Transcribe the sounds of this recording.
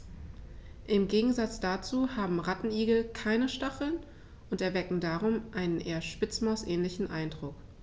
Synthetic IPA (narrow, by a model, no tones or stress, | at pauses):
ʔɪmɡeːɡŋ̩zat͡sd̥at͡suːhaːbm̩ʁatn̩iːɡl̩kʰaɪnəʃtaχl̩n | ʔʊntɛɐvɛkŋ̩daːʁʊmʔaɪnənʔeːɐʃpɪt͡smaʊsʔɛːnlɪçn̩ʔaɪndʁʊk